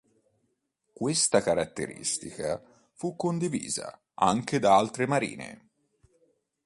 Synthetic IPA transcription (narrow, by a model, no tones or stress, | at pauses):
kwest̪akaɾat̪ːḛɾḭst̪ika | fukːond̪ivḭːza̰ | aŋk̟ed̪aalt̪ɾemaɾḭːnḛ